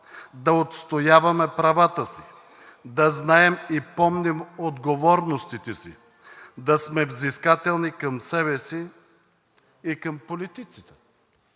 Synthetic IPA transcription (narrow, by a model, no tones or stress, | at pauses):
d̪ɐot̪st̪ojavɐmɛpɾɐvat̪əsi | d̪ɐznaɛmipɔmnɛmod̪ɡovɔɾnost̪it̪ɛsḭ | d̪ɐsmɛvziskat̪ɛlˠnikɐmsɛβɛsi | kɐmpolit̪it̪sit̪ɛ̥